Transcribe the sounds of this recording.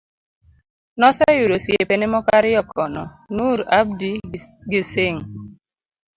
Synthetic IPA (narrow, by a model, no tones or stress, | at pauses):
nɔsɛjuɾosjepenemɔkaɾɪjɔkɔnɔ̰ | nuɾab̚diɡiseŋ